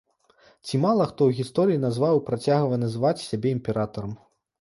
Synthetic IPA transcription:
t͡sʲimalˠɐxt̪ɔwɣʲist̪ɔɾɨinazvawpɾat͡sʲaɣvɐnɐzɨvat͡sʲsʲabʲɛimʲpʲɛɾat̪ɐɾɐm

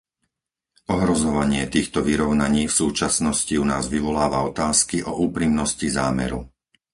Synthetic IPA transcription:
ɔɦɾɔzɔʋaɲɪɛt̪iːxt̪ɔʋiɾɔʊnaɲiːfsuːt͡ʃasnɔsciunaːzʋiʋɔlaːʋaɔt̪aːskiʔɔʔuːpɾimnɔscizaːmɛ̰ɾu

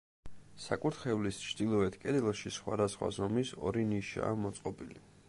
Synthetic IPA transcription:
sa̰kʼuɾt̪χɛvlist͡ʃʰd̪̥ilˠɔɛt̪ʰkʼɛd̪ɛlˠʃisχwa̰d̪asχwa̰zɔmisɔ̰ɾiniʃa̰ːmɔt̪sʼqʼɔbʼili

